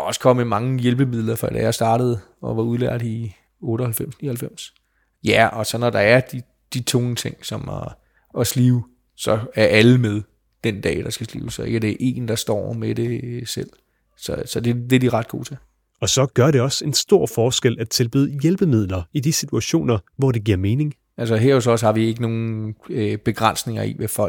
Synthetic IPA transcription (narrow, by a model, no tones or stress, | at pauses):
ɒ̽sə̥kʰɒ̽m̰emɑ̈ŋəjelb̥əmið̰ˠlɐfɒḭd̥ɛ̰jasd̥ɑ̈ːɾ̥ð̩ˠ | ɒ̽ʋɑ̈uð̞ˠlæɐd̥i | ɔ̽ːɾ̥əɒhælfem̰snḭɐhæl̩fem̰s | jæɒ̽sɒ̽nɒd̥ɑ̈æɐd̥i | d̥it͡sʰɔŋət͡sʰe̝ŋ̰sɒ̽m | ɒsliːʊ | sɒ̽æɐʔæləmeðˠ | d̥end̥ɛ̰ːd̥ɑ̈sɡ̥æslḭːʊsɒ̽e̝ɡ̥əd̥e̝ʔe̝̰ːnd̥ɑ̈sd̥ɒ̰ːmed̥e̝sel̰ | sɒ̽sɒ̽d̥e̝d̥eɐdiʁɑ̈d̥̚ɡ̥o̝̰ːt͡sʰe̝l | ɒ̽sɒ̽ɡ̥ɶɐɾe̝ɒ̽se̝nsd̥o̝ɐ̰fɒːsɡ̥elæt͡sʰe̝lb̥yðˠjelb̥əmið̞̰ˠlɐid̥isit͡sʰuæɕo̝̰ːnɐʋɒd̥e̝ɡ̥iɐme̝ːne̝ŋ | æls̬əɦeɐ̰ɔs̬ɒshɑ̈ʋie̝ɡ̥əno̝ːn̩b̥e̝ɡ̥ʁan̰sne̝ŋɐḭʋefɒ̽l̰ɡ̥̚